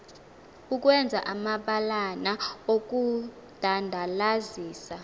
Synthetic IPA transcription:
uk̬ʼwɛnd͡zʱaʔamaɓalanaok̬ʼu | d̥ʱandʱalaziːsa

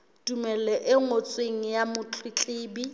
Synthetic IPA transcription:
dumɛlɛʔɪŋot͡sʼweŋ̩jamʊt͡ɬʰwɪt͡ɬʼɪːbi

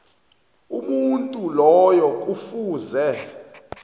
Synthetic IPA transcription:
umuntʼulɔjɔk̬ʼufuːzɛ

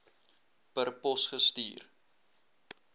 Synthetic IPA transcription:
pərpɔsχəstḭːr

